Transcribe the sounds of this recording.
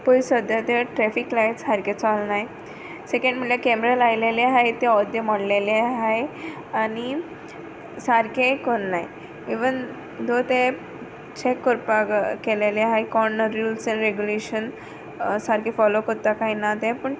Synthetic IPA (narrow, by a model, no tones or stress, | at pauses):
pojsəd̪jat̪əʈɾɛfiklajʈshaɾket͡salnaj | sekẽɳɖm̤əɭjakɛmɾalajleleɦajt̪eɔd̪jəməɽleleɦaj | ani | saɾkekonːaj | iʋən | d̪ʱot̪e | t͡ɕekːɔɾpakeleleɦajkɔnɾulsɛ̃nɾeɡjuleɕən | saɾkẽfɔlokəɾt̪akainat̪ɛ̃pəɳ